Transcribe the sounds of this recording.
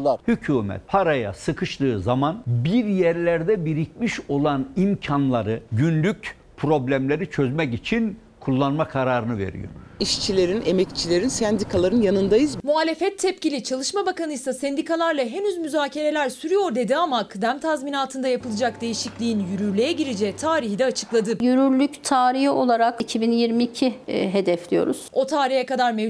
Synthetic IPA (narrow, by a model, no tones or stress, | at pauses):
ahycʰuːmɛ̰t̪̚pʰaɾaja̰sɯkʰɯʃlˠɯːzamanbiɾjɛɾlʲæɾd̪ɛbiɾic̚miʃo̞lˠanimcʰanlˠaɾɯɟynlʲyc | pʰɾo̞blʲæmlʲe̞ɾit͡ʃʰøzmɛcit͡ʃʰin | kʰulˠːanmakʰaɾaːɾɯnɯve̞̰ɾḭjo̞̰ɾiʃt͡ʃʰilʲe̞ɾinemɛct͡ʃʰilʲe̞ɾinsænd̪ikʰalˠaɾɯnjanɯnd̪ajɯzmuɦaːlʲe̞fɛtt̪ʰːɛpcilʲit͡ʃʰalˠɯʃmabakanɯjsasɛnd̪ikʰalˠaɾlˠaɦe̞nyzmyzaːcʰe̞ɾe̞lʲæɾsyɾyjo̞ɾd̪e̞d̪iamakʰɯd̪æmt̪ʰazminalˠt̪ʰɯnd̪ajapɯlˠɯd͡ʒakd̪ejiʃiclʲijinjyɾyɾlʲejɛɟiɾid͡ʒɛːt̪ʰaːɾiɦid̪ɛat͡ʃʰɯklˠad̪ɯjyɾyɾlʲyct̪ʰaːɾiho̞lˠaɾakicʰibinjiɾmiːcʰiɦe̞d̪ɛflʲijo̞̰ɾuz̥o̞t̪ʰaːɾihjɛkad̪aɾme